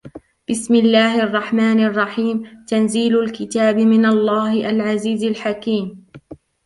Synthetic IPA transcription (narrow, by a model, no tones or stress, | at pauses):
b̥ɪsmɪlːaːhʔɑrˤːɑħmaːnɑrˤːɑħiːmt̪anziːlʊlkɪt̪aːbɪmɪnalˤːɑːhɪʔalʕaziːzalħakiːm